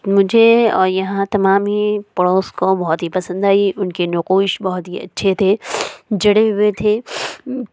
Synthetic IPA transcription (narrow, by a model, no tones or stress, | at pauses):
mʊd͡ʒʱeɔ̰ːɾjɐɦãt̪ɐmaːmɦipɐɽoːskõbɔɦʊt̪ɦipɐsə̃nd̪aːiʔʊnkenʊquːʃbɔɦʊt̪ɦiɐ̰tːʃʰet̪ʰed͡ʒɐɽeɦʊet̪ʰeː